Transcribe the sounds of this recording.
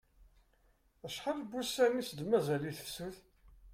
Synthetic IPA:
əʃħəlbusænisəd̪mæzæliθə̥fsuθ

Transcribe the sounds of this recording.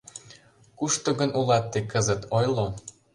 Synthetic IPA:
kuʃt̪oɣə̆nulɑt̪ːekəzət̪ʰojlo

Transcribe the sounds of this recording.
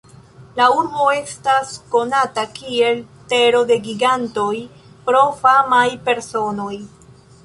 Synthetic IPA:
lauɾbo̞e̞stasko̞natakie̞lte̞ɾo̞de̞ɡiɡanto̞j | pɾo̞famajpe̞ɾso̞no̞j

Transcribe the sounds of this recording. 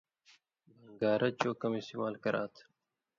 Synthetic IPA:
bɐŋɡaːɾʔɐt͡ɕoːkɐmist̪iːmaːlkɐɾa̰ːt̪ʰ

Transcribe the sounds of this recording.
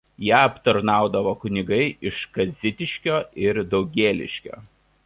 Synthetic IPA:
jæːɐpt̪ɐɾnɑˑʊd̪ɐʋoːkʊnʲɪɡɐɪʔɪʃkɐzʲɪt̪ʲɪʃʲkʲoːɪɾd̪ɒʊɡʲeːlʲɪ̰ʃʲkʲo̰ː

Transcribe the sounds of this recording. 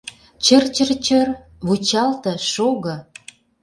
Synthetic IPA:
t͡ɕə̆rt͡ɕə̆rt͡ɕər | βut͡ɕɑlt̪ɤ̆ʃoɣɤ̆

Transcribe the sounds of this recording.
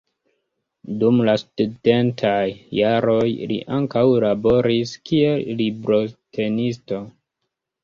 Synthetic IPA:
dumlastude̞ntʰajːaɾo̞jlḭʔaŋkawlabo̞ɾiskie̞llibɾo̞tʰe̞nisto̞

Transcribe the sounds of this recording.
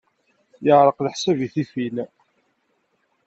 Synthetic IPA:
jəʕɾˤəqləħsæviθifil

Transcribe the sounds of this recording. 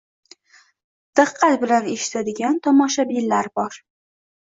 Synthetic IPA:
d̪̥ɨqʰːɑt̪bɪlaneʃɪ̥t̪ʰad̪ɪɡʲant̪ʰɒmɒʃabɪlːaɾbɒɾ

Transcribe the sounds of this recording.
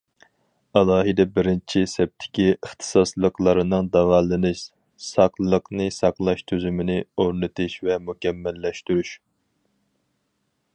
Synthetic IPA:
ɑlˠɑːɦɨd̪ɛbɪɾɪnt͡ʃʰisɛp̚t̪ʰːɪ̥kʲiəχt̪ʰɨ̥sɑslˠəqlˠɑɾɨnɨŋd̪ɑvɑlˠːɨnɨʃ | sɑqlˠɨlˠəqnɨsɑqlˠɑʃt̪ʰøzymɪnɪoɾnɨt̪ʰɨʃvɛmukʲɛmːɛlːɛʃt̪yɾyʃ

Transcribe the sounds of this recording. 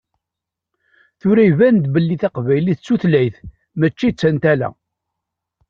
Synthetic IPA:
θʊɾæjvænd̪bəlːiθæqvæjliθət͡sːuθlæjθ | mæt͡ʃːit͡sːænt̪ælæ̰

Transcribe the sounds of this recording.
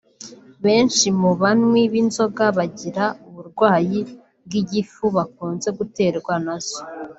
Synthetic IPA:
βe̞ːnʃimuβanŋwiβinzo̞ɡaβaɟiɾauβuɾɡwaːji | b̚ɡiɟifuβak̚uːnze̞ɡute̞ːɾɡwanaz̥o

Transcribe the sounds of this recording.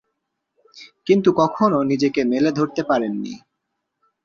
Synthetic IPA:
kint̪ukɔkʰononid͡ʑekemeled̪ʱoɾt̪epaɾenːḭ

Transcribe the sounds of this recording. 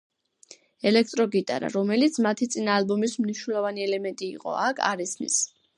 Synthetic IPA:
ɛlɛk̚ʰt̪ʼɾɔɡit̪ʼa̰ɾa̰ɾɔmɛlit̪sʰmat̪ʰit̪sʼinaːlˠbɔmismniʃnɛlˠɔvaniɛlɛmɛnt̪ʼḭːqʼɔ̰akʰa̰ɾɛsmḭs

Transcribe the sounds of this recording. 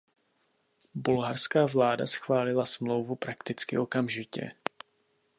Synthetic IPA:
bulɦarskaːvlaːda̰sxvaːlɪlasmlo̞wvupɾakt̪ɪt͡skɪ̰ʔo̞kamʒɪcɛ̰

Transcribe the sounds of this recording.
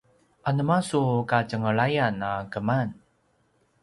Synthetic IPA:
ʔanəmasukacəŋəɭajanakəman

